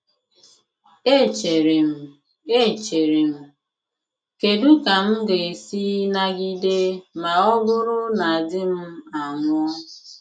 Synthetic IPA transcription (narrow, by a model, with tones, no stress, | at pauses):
e˦˨t͡ʃe˨ɾe˨m̩˨ | e˦˨t͡ʃe˨ɾe˨m̩˦ | ke˨du˦ka˨m̩˦ɡe˨e˨siː˦na˨ɡi˦de˦ma˨ɔ˦ɡʊ˦ɾʊ˦na˨a˨dɪ˦m̩˦a˨ŋʷʊ˦ɔ˦